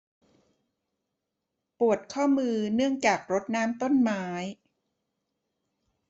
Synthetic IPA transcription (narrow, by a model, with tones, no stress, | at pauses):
pu˨˩ət̪̚kʰɔː˥˩mɯː˧nɯ˥˩əŋt͡ɕaː˨˩k̚ɾo˦˥t̪̚naː˦˥mt̪o˥˩˨nmaː˦˥j